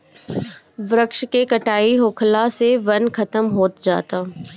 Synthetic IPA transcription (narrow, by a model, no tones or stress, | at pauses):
ʋɾəkʃkekɐʈaːiɦoːkʰlaseʋɐnkʰɐt̪əmɦoːt̪d͡ʒa̰ːt̪aː